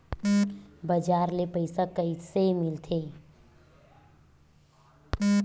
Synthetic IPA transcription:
bəd͡ʒaɾlepəɪsakəisemɪlt̪ʰe

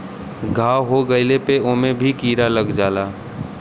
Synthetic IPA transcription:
ɡʱaːwɦoɡəɪlepeoːmẽbʱikiːɾaləɡd͡ʒaːlaː

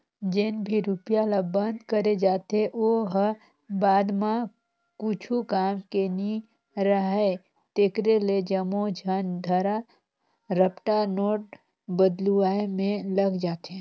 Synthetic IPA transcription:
d͡ʒenbʱiɾupjalabə̃nd̪kəɾed͡ʒaːt̪eʔoːɦ | baːd̪mã | kut͡ʃʰukaːmkeni | ɾəɦe | t̪eːkɾeled͡ʒəmod͡ʒʱənd̪ʱəɾa | ɾəpʈanoːʈ̚ | bəd̪luaːemẽləɡd͡ʒaːt̪e

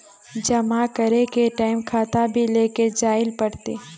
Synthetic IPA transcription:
d͡ʒɐmakəɾekeʈaːɪmkʰaːt̪abʱileːked͡ʒaːɪlpɐɽt̪eː

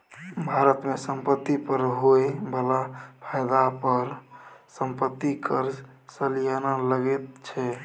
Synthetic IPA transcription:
bʱaɾət̪mesəmpət̪ːipəɾɦoebəlapʰəjd̪apəɾsəmpət̪ːikʰəɾd͡ʒ | səlijanələɡɛt̪̚t͡ʃʰɛ

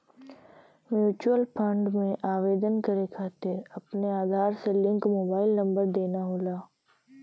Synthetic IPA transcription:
mjuːt͡ʃuwəlpʰə̃ɳɖmẽʔaːʋeːd̪ənkɐɾekʰaːt̪eɐpneaːd̪ʱaːɾselɪ̃ŋkmoːbaːɪlnɐ̃mbəɾd̪eːnaɦoːlaː

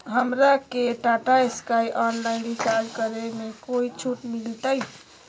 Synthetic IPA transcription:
ɦəmɾakeʈaʈaeskajʔɔnlaɪnɖisalkəɾemekoit͡ʃʰuʈmilt̪əj

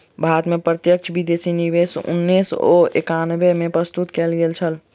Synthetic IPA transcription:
bʱaːɾət̪mẽpɾət̪jək̚t͡ʃʰbid̪eːsiniʋeːsʊ̰nːiso̰ḛkanbemẽpɾəst̪ut̪keːlɡelt͡ʃʰəl

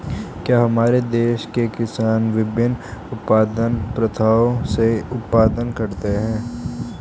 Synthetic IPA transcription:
kjaːɦɐmaːɾed̪eːʃkekɪsaːnʋɪbɪnʊtpaːd̪ənpɾət̪ʰaːoseʊt̪paːd̪ənkɐɾt̪eɦɛ̃ː

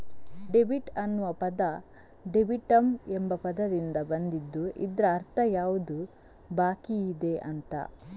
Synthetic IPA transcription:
ɖebiʈɐnːuʋɐpɐd̪ɐ | ɖebiʈɐmembɐpɐd̪ɐd̪ind̪ɐbɐnd̪id̪ːuʔḭd̪ɾɐːɾt̪ʰɐjaːʋud̪u | baːkiːd̪e̞ʔɐnt̪ɐ̰

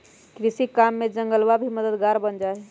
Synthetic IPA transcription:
kɾisikamːed͡ʒə̃ŋɡəlʋabʱiməd̪əd̪ɡaɾbənd͡ʒae

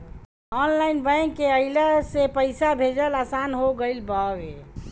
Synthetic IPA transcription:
ɔnlainbəjŋkeəiləsepəɪsabʱed͡ʒəlasanɦoɡəɪlbaʋe

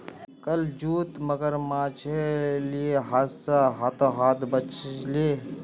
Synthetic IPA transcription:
kɐld͡ʒuːt̪məɡəɾmaːt͡ʃʰelieɦaːzsaɦat̪oɦaːt̪bət͡ʃleː

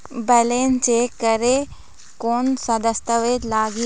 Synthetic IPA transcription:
bɐleːnt͡ɕeːkɐɾe | koːnsɐd̪əst̪əʋeːlaːɡi

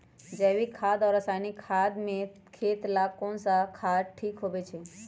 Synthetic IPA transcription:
d͡ʒəʋikʰaːd̪ɔːɾəsaːjnikʰaːd̪mẽ | kʰeːt̪laːkõnsakʰaːɾʈʰiːkɦoːʋet͡ʃʰe

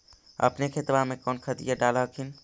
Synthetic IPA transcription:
ə̰pnekʰet̪bamẽkɔːnkʰət̪ḭjaɖaləkʰin

